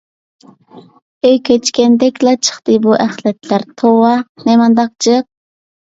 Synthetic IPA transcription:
øjkʲʰet͡ʃkʲɛnd̪ɛkʲlɑt͡ʃʰə̥χt̪ɨbuʔæχlɛt̪ʰlæɾt̪ʰowɑnɛmɑnd̪ɑq̚t͡ʃʰɨq̚

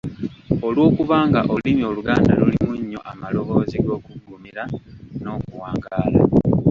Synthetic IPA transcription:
olwo̞ːkuβaːŋɡaʔolimio̞ːluɡaːndalulimuɲːo̞ʔamalo̞βo̞ːziɡo̞ːkuɡuːmiɾano̞ːkuwaːŋɡaːla

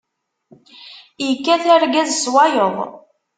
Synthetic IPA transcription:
jəkːæθæɾɡæzswɑjoðˤ

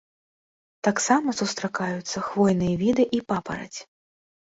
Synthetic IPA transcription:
t̪aksamɐsust̪ɾakajut̪sːɐxvɔjnɨjɐvʲid̪ɨʔipapɐ̰ɾɐ̰t͡sʲ

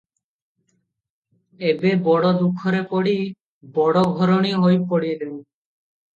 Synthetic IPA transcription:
ebebɔɽɔd̪ukʰːɔɾepɔɽi | bɔɽɔɡʱɔɾoɽ̃iɦojpɔɽid̪ew

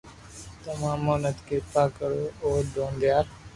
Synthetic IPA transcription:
t̪ɐmãːmːoːnəd̪kɪt̪aːkəɾooːd̪õːnd̪ɪjaːɾ

